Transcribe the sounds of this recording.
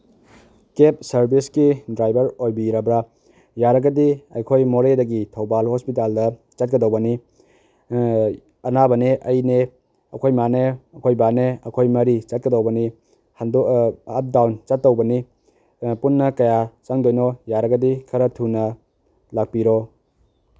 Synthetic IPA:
kep̚sɐɾbiskidɾajbɐɾojbiɾɐbɾa | jaɾɐɡɐdiɐjkʰojmoɾedɐɡitʰɐwbalhospitaldɐ | t͡ʃɐt̚kɐdowbɐni | ɐnabɐneʔɐjne | ɐkʰojmaneɐkʰojbaneɐkʰojmɐɾit͡ʃɐt̚kɐdowbɐni | handɐp̚dawnt͡ʃatːɐwbɐni | punːɐkɐjat͡ʃaŋdojnojaɾɐɡɐdikʰɐɾɐtʰunɐ | lak̚piɾo

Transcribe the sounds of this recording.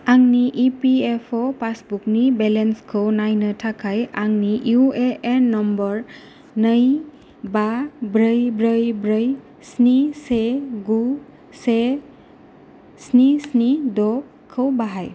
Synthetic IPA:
aŋniʔipiepʰɔpasbuknibɛlenskʰɯwnajnɯtʰakʰajaŋniʔjueʔenːɔmbɔɹ | nəj | babɾəjbɾəjbɾəj | sniseɡu | se | snisnidɔ | kʰɯwbaɦaj

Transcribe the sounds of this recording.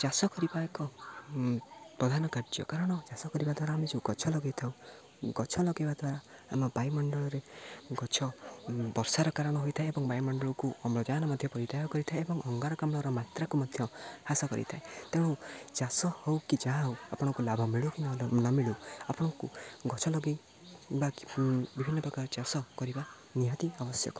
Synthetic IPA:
d͡ʒasɔkɔɾibakɔ | pɾɔd̪ʱanɔkaɾd͡ʒɔ̰kaɾɔɽ̃ɔd͡ʒasɔkɔɾibad̪ʱwaɾaːmed͡ʒewɡɔt͡ʃʰɔlɔɡet̪ʰaw | ɡɔt͡ʃʰɔlɔɡibad̪waɾaamɔbajmɔɳɖɔɭɔɾeɡɔt͡ʃʰɔbɔɾsaɾɔkaɾɔɽ̃ɔɦojt̪ʰaeebɔŋbajmɔɳɖɔɭɔkuɔmɭɔd͡ʒaɦnɔmɔd̪ʱjɔpɔɾit̪ajɔkɔɾit̪ʰaeebɔŋʔɔŋɡaɾɔkamɭɔɾɔmat̪ɾakumad̪ʱjɔhasɔkɔ̰ɾḭt̪ʰaet̪ew̃ut͡ʃasɔhowkid͡ʒaɦãɦowapɔɽ̃ɔkulabʱɔmiɭukinnɔmiɭuapɔɽ̃ɔkuɡɔt͡ʃʰɔlɔɡi | babibʱinːɔpɾɔkaɾɔt͡ʃasɔkɔɾiba | niɦɔt̪iabɔsjɔ̰kɔ

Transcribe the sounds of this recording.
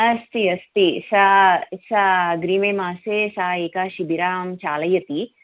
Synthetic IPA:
ɐst̪iɐst̪isasaɡɾiːmeːmaːseːsaːeːkaʃibiɾaːmt͡ʃaːlɐjɐt̪i

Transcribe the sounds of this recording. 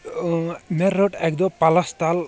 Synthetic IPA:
meɾɔʈek̚d̪ɔpalast̪al

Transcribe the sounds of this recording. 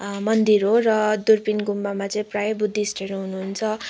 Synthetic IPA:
mʌnd̪iɾɦorʌd̪urpinɡumbamat͡sʌĩprajʌbud̪ʱːiːsʈeɾoɦunuɦunt͡sʰʌ

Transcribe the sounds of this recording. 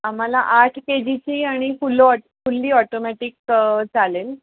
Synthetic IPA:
am̤alaʔaʈʰked͡ʑit͡ɕiːaɽ̃ifulɔ | fulːiːɔʈomɛʈikd͡zalel

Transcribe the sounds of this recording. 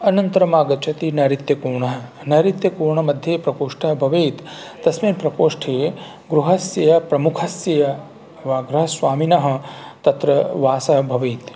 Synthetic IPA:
ɐnɐnt̪ɐɾɐmaːɡɐt͡ʃɐt̪inɐɾit̪jɐkuːɾɳɐɦɐ̆ | nɐɾit̪jɐkuːɾɳɐmɐd̪ʱjeːpɾɐkoːʂʈʰɐɦɐbʱɐʋeːt̪ːɐsmeːnpɾɐkoːʂʈʰeː | ɡɾuɦɐsjɐjɐpɾɐmukʰɐsjɐjɐ | ʋaɡɾɐɦɐsʋaːminɐɦɐ̆t̪ɐt̪ɾɐʋaːsɐɦɐbʱɐʋeːt̪

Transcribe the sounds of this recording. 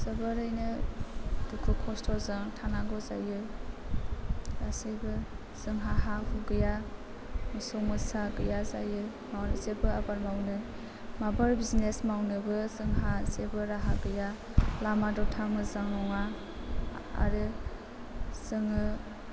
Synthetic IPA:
sɯbɯɾɯjnɯ | dukʰukʰɔstʰɔzɯŋtʰanaɡɔza̰jɯ | ɾasebɯ | z̥ɯŋɦaɦahuɡɯja | mɯsɔmɯsaɡɯjaza̰jɯ | mawɾɯzebɯabaɾmawnɯ | mabaɾbiznesmawnɯbɯzɯŋɦazebɯɾaɦaɡɯja | lamadɔtʰamɯzaŋnɔŋa | a̰ɾɯ | zɯŋɯ

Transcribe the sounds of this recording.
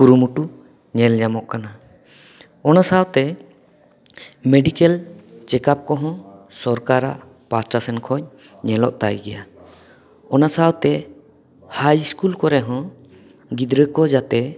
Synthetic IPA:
kuɾumuʈu | ɲɛld͡ʒamɔʔkana | ɔnasawt̪ɛ | meɖikɛlt͡ʃɛkap̚kɔɦɔ̃sɔɾkaɾa̰ʔ | pasʈasɛnkʰɔɲ | ɲɛlɔʔt̪a̰jɡɛja | ɔnasawt̪ɛ | hajiskulkɔɾɛɦɔ̃ | ɡid̪ɾəkɔd͡ʒat̪ɛ

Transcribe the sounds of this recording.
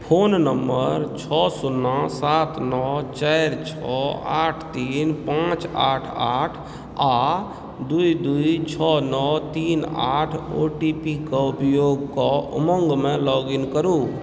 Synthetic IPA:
pʰonnəmːəɾt͡ʃʰɔsunːasat̪nɔt͡ʃajɾt͡ʃʰɔaʈʰt̪inpãt͡ʃa̰ʈʰaʈʰ | a | d̪uid̪uit͡ʃʰɔnɔt̪ina̰ʈʰoʈipikɔupjoɡkɔuməŋɡmelɔɡinkəɾu

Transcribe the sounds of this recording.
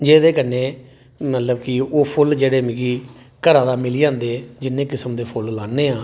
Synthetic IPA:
d͡ʒeːd̪eːkənːeː | mət̪ləbkɪoːpʰʊld͡ʒeːɽeːmɪːɡiː | kəɾaːd̪aːmɪliːãːnd̪eːd͡ʒɪnːẽːkɪsəmd̪eːpʰʊllaːnːeːãː

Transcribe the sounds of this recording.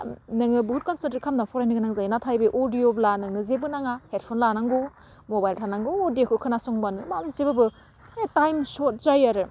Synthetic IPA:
nɯŋɯbuut̚kɔnseteɾkʰamnapʰɔɾajnɯɡɯnaŋzajnatʰajbɯʔodioblanɯŋɯzebɯnaŋahet̚pʰonlanaŋɡo | mobajltʰanaŋɡoodiokʰɯkʰɯnasoŋbanɯmamansebɯbɯ | etajmsot̚zajaɾɯ

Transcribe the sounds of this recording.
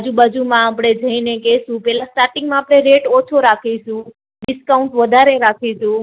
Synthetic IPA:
d͡ʒubad͡ʒumãapɽ̃ed͡ʒʱəinekesũpɛɦlãsʈaɾʈɪ̃ŋɡmãaːpɽ̃eɾeʈɔt͡ʃʰoɾakʰiʃũ | ɖɪskaũɳʈʋəd̪ʱaɾeɾakʰiʃũ

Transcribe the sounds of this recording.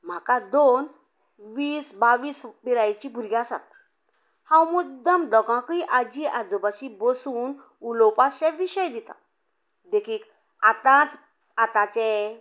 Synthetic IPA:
m̤akad̪on | ʋiːsbaʋiːspiɾajt͡ɕibʱuɾɡasa̰t̪̚ | hãwmud̪əmd̪əɡãkiʔad͡ʑiʔad͡zubat͡ɕibɔsuːn | ulɔpaɕɛ̃ʋiɕəjd̪it̪a̰ | d̪ekʰiːk | at̪ãt͡s | at̪ãt͡ɕɛ

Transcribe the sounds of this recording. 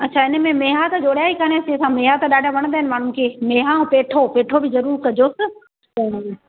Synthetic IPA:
ɐtːʃʰaːɪnə̆mẽmeːɦat̪ɐd͡ʑoːɽ̤jaːikaːnjɐt͡ɕesãmeːɦat̪ɗaːɖʱaʋɐɽ̃d̪aːɪnɪmaːɳ̤ʊ̃nkʰeːmeːɦãːpeːʈʰopeːʈʰobɪzɐɾuːɾkɐd͡ʑoːsɪ̆

